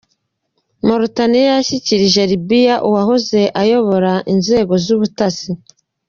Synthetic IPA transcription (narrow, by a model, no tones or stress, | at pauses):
moɾotanijjaʃiciɾiʒeɾibijaʔuwaɦoze̞ʔajo̞βo̞ɾaʔinze̞ːɡo̞zuβutasi